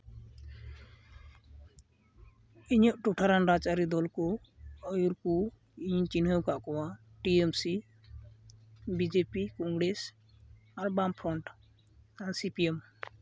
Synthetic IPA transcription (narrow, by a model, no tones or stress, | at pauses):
iɲɔʔʈɔʈʰaɾanɾat͡ʃaɾid̪ɔlkɔ | ɔjuɾku | iɲt͡ʃinɦəwkaʔkɔwa | ʈiemsi | bid͡ʒepikɔŋɡɽes | aɾbampʰɾɔɳʈ | ansipiem